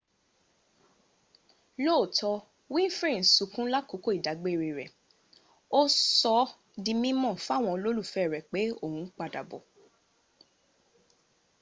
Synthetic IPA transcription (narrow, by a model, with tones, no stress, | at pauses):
lo˦˨tʰɔ˧ | wĩ˦fɾĩ˦˨su˨˦kũ˦la˦ko˨˦ko˦i˨da˨˦ɡ͡be˦˨ɾe˧˨ɾɛ˨ | o˦sɔ˧˦ | dĩ˧mĩ˦mɔ̃˦˨fu˦a˦˨w̃ɔ̃˧lo˦lu˦˨fɛ˦˨ɾɛ˨k͡pe˨˦o˦˨hũ˨˧˦k͡pa˧da˨bɔ˨